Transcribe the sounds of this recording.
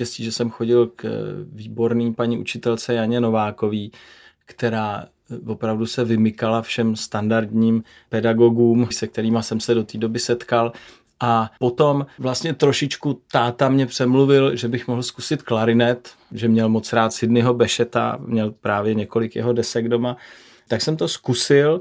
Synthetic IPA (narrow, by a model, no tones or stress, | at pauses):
cɛsciːʒɛsɛmxo̞ɟɪlkviːbo̞ɾniːmpaɲiːʔṵt͡ʃɪt̪ɛlt͡sɛjaɲɛno̞vaːko̞viː | kt̪ɛɾaː | vo̞pɾavdusɛvɪmɪkalafʃɛmst̪andaɾdɲiːm | pɛdaɡo̞ɡuːmsɛk̚t̪ɛɾiːmasɛmsɛdo̞t̪iːdo̞bɪsɛt̪kal | ʔapo̞t̪o̞mvlast̪ɲɛt̪ɾo̞ʃɪt͡ʃkut̪aːt̪amɲɛpr̥ɛmluvɪlʒɛbɪxmoɦl̩skusɪt̪klaɾɪnɛt̪ | ʒɛmɲɛlmot͡sɾaːt̪sɪdnɪɦo̞bɛʃɛt̪a̰mɲɛlpɾaːvjɛɲɛko̞lɪkjɛ̰ɦo̞dɛsɛɡdo̞ma | t̪aksɛmt̪o̞skusɪl